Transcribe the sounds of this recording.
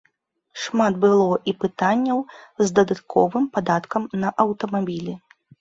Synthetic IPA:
ʂmad̪̚bɨlˠɔʔipɨt̪anʲːɐwzd̪ɐd̪at̪kʰɔ̰vɨmpad̪at̪kɐmnɐʔɐwt̪ɐmabʲilʲɛ

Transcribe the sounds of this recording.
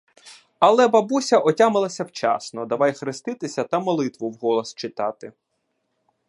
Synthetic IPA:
ɐlˠɛbɐbusʲɐʔɔtʲamɪlˠɐsʲɐwt͡ʃɑ̰snɔd̪ɐʋɑjxɾɪst̪ɪt̪ɪsʲɐt̪ɐmɔlˠɪt̪ʋʊwɦɔlˠɔst͡ʃɪt̪ɑt̪ɪ

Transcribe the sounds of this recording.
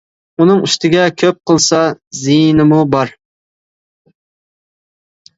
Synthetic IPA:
unɨŋyʃt̪ʰɪɡʲɛkʲʰøp̚qʰəlˠsɑzijnɪmubɑɾ

